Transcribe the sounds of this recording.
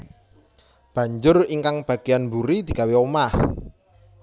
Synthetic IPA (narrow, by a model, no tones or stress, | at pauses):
b̥ä̤ɲd͡ʒʊriŋkaŋb̥a̤ɡ̥ejanmbuɾid̪̥i̤ɡaweomah